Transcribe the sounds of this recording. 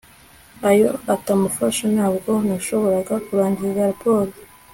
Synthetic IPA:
ajo̞atamufaʃanaːbɡo̞naʃo̞βo̞ɾaɡakuɾaːɲɟiiɡaɾapo̞ːɾo

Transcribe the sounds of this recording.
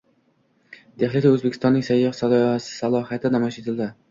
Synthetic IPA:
d̪̥eχlɪt̪ʲaɵzbekʲʰɪst̪ɒnːɪŋsajːɑχsalsɪ̥salˠɒjat̪ɪnamɒʃet̪ʰɪld̪ɪ

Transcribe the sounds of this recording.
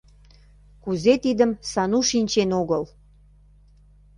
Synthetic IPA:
kuzet̪id̪əmsɑnuʃinʲt͡ɕenoɣəl

